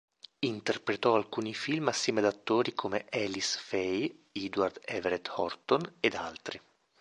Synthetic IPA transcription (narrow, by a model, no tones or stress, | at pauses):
int̪erpɾet̪ɔalkuːnifilmasːjɛːmead̪at̪ːoːɾikʰomeʔɛlisfɛjid̪ward̪ɛveɾɛt̪hɔ̰rt̪oned̪alt̪ɾi